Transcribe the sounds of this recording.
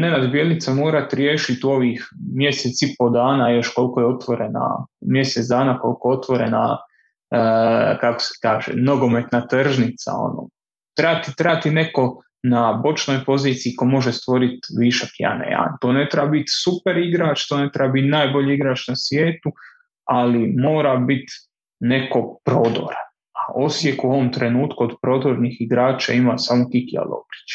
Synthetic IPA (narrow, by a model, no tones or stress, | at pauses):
nenad̪bje̞lnit̪samo̞ːɾat̪ɾjeːʃit̪o̞ʋiːxmje̞set̪sipo̞d̪aːnajo̞ʃko̞lkojeo̞t̪ʋo̞ɾena̰mje̞set̪d̪aːnako̞lˠkoo̞t̪ʋo̞ɾḛna̰ | kako̥se̥kaːʒḛno̞ɡo̞met̪nat̪r̩ʒnit̪sa̰o̰no̰ | t̪ɾeat̪it̪ɾaat̪ine̞ko̞ | nabo̞t͡ʃno̞jpo̞ziːt̪siikomo̞ʒest̪ʋo̞ɾit̪ʋiːʃakja̰nḛja̰nt̪oːne̞t̪ɾebabit̪supeɾiɡɾaːt͡ʃt̪one̞t̪ɾebabit̪naːjbo̞ʎiiɡɾaːt͡ʃnasʋjeːt̪u | alimoːɾabit̪ | ne̞ko̞pɾod̪o̰ɾan | aʔo̞sje̞kuo̞ʋomt̪ɾe̞nuːt̪kuod̪pɾo̞d̪oɾnixiɡɾaːt͡ʃa̰imasaːmokikia̰lˠo̰ɡɾi̥t͡ʃ